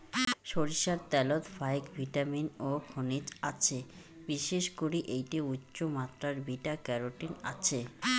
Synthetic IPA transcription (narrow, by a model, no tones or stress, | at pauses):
ʃoɾiʃaɾt̪ɛlot̪fajkbʱiʈaminokʰonit͡ɕat͡ɕʰe | biʃeʃkoɾiʔejʈiutːɕomat̪ːɾaɾbiʈakɛɾoʈina̰t͡ɕʰe